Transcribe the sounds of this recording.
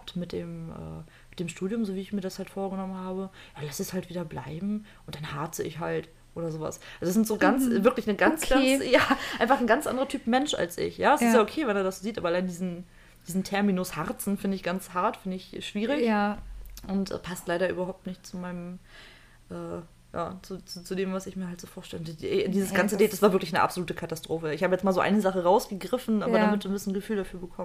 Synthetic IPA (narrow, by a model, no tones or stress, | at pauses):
ap̚tmɪt̚d̥eːmʔɛ̰ː | mɪt̚d̥eːmʃtuːdjʊmzoːviːɪçmiːɐɾashaltfoːɐɡənɔmənhaːbəjaːlasɛshaltv̥iːdɐbla̰ɪbm̩ʔʊnt̚d̥anhaːt͡səʔɪ̰çɦalt | ʔoːɾɐzoːva̰sʔalzoɛsɪntz̥oːɡant͡svɪɐklɪçnəɡansʰɡajaːʔaɪnfaχn̩ɡant͡sʔa̰ndəʁɐtʰyːpmɛnʃʔa̰lsʔɪ̰çjaːɛsɪtjaːokʰeːvɛneːɐdasziːtʔaːbɐalaɪnədiːzn̩ | d̥iːzn̩tʰɛɐminʊshaʁt͡sn̩fɪndəɪçɡ̥ant͡shaɐtfɪndəɪçʃv̥iːʁ̞ɪç | ʔʊntʔɛ̰ːpʰastlaɪɾɐʔy̰ːbɐɦaʊp̚tnɪçtt͡sumaɪnəm | ʔɛː | ja̰ːt͡sut͡sut͡sudeːmvasɪçmiːɐhaltz̥oːfoːɐtɛləʊntɛdiːzəsɡ̥ant͡sədɛːtd̥asv̥aːvɪɐklɪçaɪnə̰ʔa̰pzoluːtəkʰatastʁ̥oːfəɪçhaːbəjɛt͡smaːlzoːʔa̰ɪnəzaχəʁaʊsɡ̥əɡʁɪfn̩ʔaːbɐdamɪtdnbɪsn̩ɡəfyːldafyːɐbəkʰɔm